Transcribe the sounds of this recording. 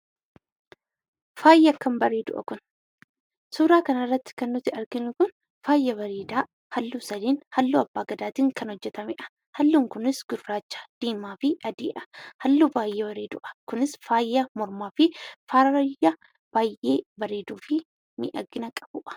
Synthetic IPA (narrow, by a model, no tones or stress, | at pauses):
faːjːeɐkːɐmbɐɾeːd̪ʊ̰ʔɐ̰kʊn | suːɾaːkɐnɐrːɐt̪ːɪ̥kɐnːʊt̪ɪɐɾɡɪnʊkʊn | faːjːɐβɐɾiːd̪aː | hɐlːuːsɐd̪iːnhɐlːuːɐbːaːɡɐd̪aːt̪iːŋkɐnhɔd͡ʒːɛt̪ɐmɪʔɐ̥ | hɐlːuːŋkʊnɪsɡ̥ʊdːaːt͡ʃːḁd̪̥iːmaːfɪʔɐd̪iːʔɐ̥hɐlːuːbaːjːeːbɐɾiːd̪ʊ̰ʔɐ̥kʊnɪsfaːjːɐmɔɾmaːfɪfaːɾjɐ | b̥aːjʔeːbɐɾiːd̪uːfɪ | mḭːʔɐɡɪnɐkʼɐ̥buːʔɐ̥